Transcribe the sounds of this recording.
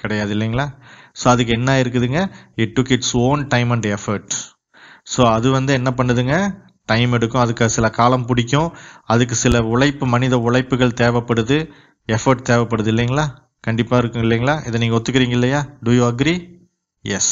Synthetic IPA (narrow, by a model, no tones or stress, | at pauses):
kɪɽɐjaːðɯɪlːɛŋɡɐɭaːsoːɐðɯk̬ːɯɛnːaːɪɾɯk̬ːɯɐðɯŋɡɐɪʈːʊkɪʈsoːnʈɐɪmɐɳɖɛfɐɾʈ | soːɐðɯʋɐnd̪ɯɛnːɐpɐɳːɐðɯŋɡɐ | ʈɐɪmɛɽɯkːʊ̃ɐðɯkːaɐsɪlɐkaːlɐmpʊɽɪk̬ʲːʊ̃ɐðɯk̬ːɯsɪlɐʊɭɐɪpːɯmɐnɪðɐʊɭɐɪpːɯɣɐɭt̪eːʋɐpːɐɽɯðɯ | ɛfɐɾʈ̚t̪eːʋɐpːɐɽɯðɯɪlːɐŋɡɐɭaː | kɐɳɖɪpːaːɪɾɯkːɯŋɪlːɛːŋɡɐɭaːʔɪðɐniːŋɡɐɔt̪ːɯkːɯɾiːŋɡɐɪlːɐjaːɖujuɐɡɾi | jɛ̰s